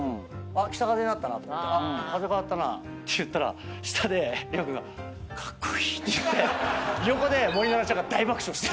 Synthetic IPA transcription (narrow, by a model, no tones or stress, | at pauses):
ɯ̃akʲi̥t̪akazeɲʲnat̪ːanat̪ok̪ːakaze̞kaat̪ːana̰ | t̪ːe̞jɯ̟t̪ːaɾa̰ɕi̥t̪ʰad̪e̞ɾʲjokɯ̟no | kʰḁkːo̥i̥t̪ːejɯt̪ːe̞jokod̪e̞mo̞ɾʲinaɾat͡ɕakːad̪aibakɯ̟̥ɕõɕi̥t̪